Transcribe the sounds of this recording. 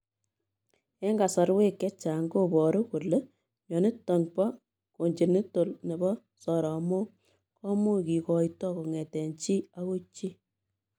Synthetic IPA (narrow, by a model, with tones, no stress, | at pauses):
ɛ˦ŋɡa˨sa˨ɾwe˦kːɛ˦t͡ʃa˨ŋɡo˦bɔ˨ɾu˦ku˨le˦ | ɲɔ˨ne˦tɔ˨ŋpɔ˦ | ko˨ɲd͡ʒe˨ni˦to˨lne˨bɔ˦ | sɔ˨ɾɔ˨mo˦ | kɔ˦mu˦ki˨kɔ˨jtɔ˦ko˨ŋɛ˨tɛ˨ɲt͡ʃi˦a˦ko˦t͡ʃːi˦